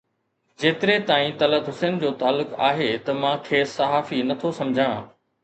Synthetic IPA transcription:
d͡ʑeːt̪ɪɾet̪aːĩt̪ɐləd̪ɦʊseːnd͡ʑoːt̪aːlːʊka̰ːɦet̪ɐmãːkʰeːsɐɦaːfinɐt̪ʰosɐmd͡ʑʱãː

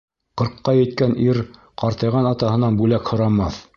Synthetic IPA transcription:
qɤ̆ɾqːɑjɘ̆jt̪̚kæniɾ | qɑɾt̪ɤ̆jʁɑnɑt̪ɑhɤ̆nɑnbʉlækhŏɾɑmɑθ

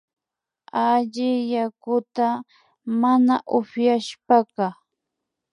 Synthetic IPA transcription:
aʎɪjakʊt̪a | manaʔʊɸjaʃpakɑ

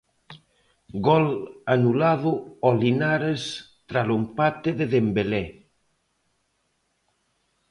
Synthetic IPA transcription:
ɡɔlanulaðʊɔlinaɾes | t̪ɾalompat̪eðeðembele

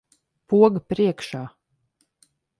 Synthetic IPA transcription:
puɔɡpɾiɛkʃaː

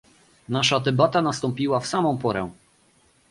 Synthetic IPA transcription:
naʂat̪ɛbat̪anast̪ɔmpʲiwafsamɔ̃w̃pɔɾɛ̃

